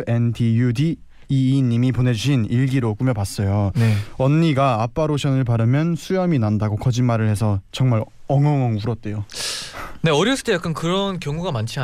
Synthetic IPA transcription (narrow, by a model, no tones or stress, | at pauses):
endʰijudiː | ɲːimipone̞d͡ʑuɕʰiniɭɡiɾok͈umjʌpas͈ʌjoneʌnːiɡaːp͈aɾoɕʰʌnɯɭpaɾɯmjʌnsʰujʌminandaɡokʌd͡ʑinmaɾɯɭhe̞sʰʌt͡ɕʌŋmaɾ | ʌŋʌŋʌŋuɾʌt̚t͈ejo | ne̞ʌɾiɭs͈ʰɯ̥tʰejak͈ankɯɾʌnkjʌŋuɡamant͡ɕʰia